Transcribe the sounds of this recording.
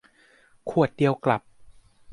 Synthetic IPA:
kʰu˨˩ət̪̚di˧əwkla˨˩p̚

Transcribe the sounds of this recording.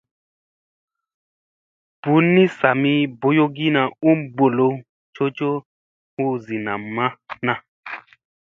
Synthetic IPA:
b̥u˨˦nːĩ˦sa˨mĩ˦bo˦jo˦ɡi˦na˨u˦m˦ɡ͡bo˨lo˨ | t͡ʃo˦t͡ʃo˦ | u˦zi˨na˨mã˦nã˦

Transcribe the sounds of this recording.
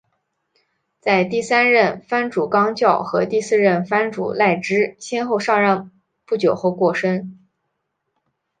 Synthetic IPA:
t͡sa˥˧ɪt̪i˥˩sa˥nɻə˥˩nfa˥nʈ͡ʂu˨˩kɑ˥ŋt͡ɕjɑ˥˩ʊxɤ˧˥t̪i˥˧sɹ̩˥˧ɻə˥˩nfa˥nʈ͡ʂṵ˨˩la˥˩ɪʈ͡ʂɻ̩˥ɕjɛ˥nxo˥˧ʊʂɑ˥˧ŋɻɑ˥˧ŋ | pu˥˩t͡ɕjo˨˩ʊxo˥˧ʊkwɔ˥˩ʂə˥n

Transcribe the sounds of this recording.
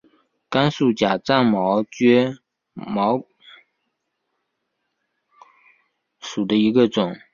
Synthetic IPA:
ka˥nsu˨˩t͡ɕja˨˩t͡sa˥˩nmɑ˧˥ʊt͡ɕɥɛ˥ | mɑ˧˥ʊ | ʂu˨˩d̪ə˦i˧˥ɡə˧ʈ͡ʂʊ˨˩˦ŋ

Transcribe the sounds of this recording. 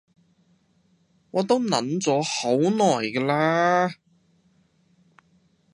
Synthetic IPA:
ŋɔː˨˧t̪o˥wnɐ˨˥nt͡sɔː˨˥ho˨˥wnɔː˨˩jkɛː˧laː˥

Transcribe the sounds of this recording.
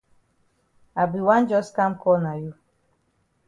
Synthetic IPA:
a˨bi˨wã˦n˦d͡ʒɔ˦ska˦m̩˦kɔ˦na˨ju˦

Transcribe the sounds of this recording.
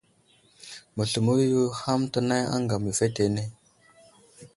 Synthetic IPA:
mə˨ɬu˨mu˦ju˦ha˦mtə˦na˦ja̰˦ŋɡa˨m˨ə˨fe˦te˨ne˦˨

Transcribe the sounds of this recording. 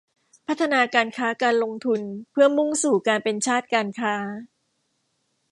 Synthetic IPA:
pʰa˦˥t̪ʰːa˧naː˧kaː˧nkʰaː˦˥kaː˧nlo˧ŋt̪ʰu˧npʰɯ˥˩ɐmu˥˩ŋsuː˨˩kaː˧npe˧nt͡ɕʰaː˥˩t̪̚kaː˧nkʰaː˦˥

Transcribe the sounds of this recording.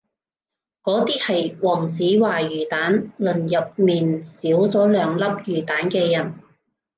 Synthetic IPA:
kɔː˨˥t̪iː˥hɐ˨jwɔː˨˩ŋt͡siː˨˥waː˨˩jyː˨˩t̪aː˨˥nlɵ˨˩njɐ˨p̚miː˨nsiː˨˥wt͡sɔː˨˥lœː˨˧ŋlɐ˥p̚jyː˨˩t̪aː˨˥nkɛː˧jɐ˨˩n

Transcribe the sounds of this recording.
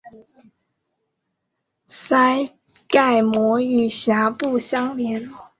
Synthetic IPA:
sa˥ɪ | ka˥˩ɪmwɔ˧˥y˨˩ɕja˨˧˥pu˥˨˩ɕjɑ˥ŋljɛ˨˧˦n

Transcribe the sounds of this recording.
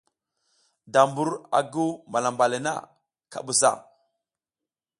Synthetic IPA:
da˨mbu˦ɾa̰˨ɡu˦ma˨la˨mba˨le˨na̰˦˨ | ka̰˨ɓu˨sa̰˦˨

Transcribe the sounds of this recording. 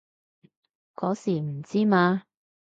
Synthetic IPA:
kɔː˨˥siː˨˩m̩˨˩t͡siː˥maː˧

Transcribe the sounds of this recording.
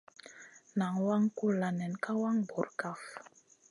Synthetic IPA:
na˨ŋwa˦ŋku˦la˨nɛ˨nka˦wa˦ŋbo˨ɾka˦˨f

